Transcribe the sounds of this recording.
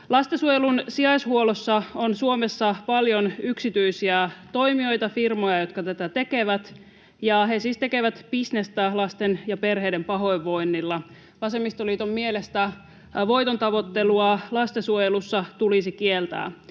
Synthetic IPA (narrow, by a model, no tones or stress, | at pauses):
lɑst̪esuojelunsiɑjshuolosːɑonsuomesːɑpɑljonyksit̪yisiæt̪o̞imio̞jt̪ɑfirmojɑjo̞t̪̚kɑt̪æt̪æt̪eke̞ʋæt̪ | jɑɦesiːst̪ekeʋæt̪pisnest̪ælɑst̪enjɑpe̞rɦeːdempɑɦo̞jʋːo̞inːilːɑ | ʋɑsemːist̪oliːt̪ommielest̪æ | ʋo̞jt̪ont̪ɑʋo̞t̪ːeluɑlɑst̪esuojelusːɑt̪ulisikielt̪æ̰ː